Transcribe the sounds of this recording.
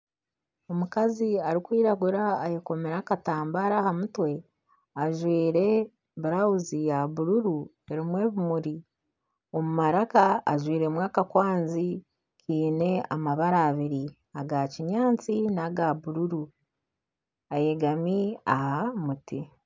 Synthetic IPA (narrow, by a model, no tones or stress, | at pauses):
o̞mukaziaɾikwiːɾaɡuɾaːjeko̞meɾakataːmbaɾaːhamutwe̞ | aʒwiːɾe̞ | βuɾawuzijaβuɾuɾu | e̞ɾimwe̞ːβumuɾi | o̞mumaɾakaːʒwiːɾe̞mwaːkakwaːnzi | kiːne̞amaβaɾaːβiɾi | aɡaciɲaːnt͡sinaɡaβuɾuɾu | aje̞ɡamia̰hamuti